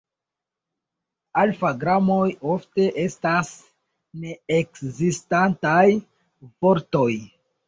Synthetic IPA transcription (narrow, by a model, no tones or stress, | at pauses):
alfaɡɾamo̞jofte̞ʔe̞stas | ne̞ekzistantaj | vo̞ɾto̞j